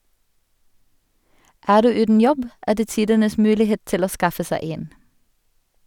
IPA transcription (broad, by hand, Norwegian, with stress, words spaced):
ˈæːʁ ˈdʉː ˈʉːdn̩ ˈjɔb ˈæː ˈdeː ˈtiːdənəs ˈmʉːlɪˌheːt ˈtɪl ˈoː ˈskɑfə ˈsæɪ ˈeːn